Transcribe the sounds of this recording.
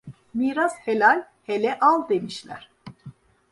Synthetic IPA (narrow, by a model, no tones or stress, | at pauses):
miːɾaszhelʲalʲ | helʲɛʔalˠd̪e̞miʃlʲæ̰ɾ̥